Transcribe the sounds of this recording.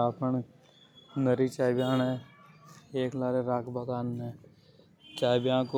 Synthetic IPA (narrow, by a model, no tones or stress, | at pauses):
aːpən | nəɾit͡ʃaːɪbjaːnɦɛː | eːklaːɾeɾaːkbakaːnɦɛ̃ː | t͡ʃaːɪbjãko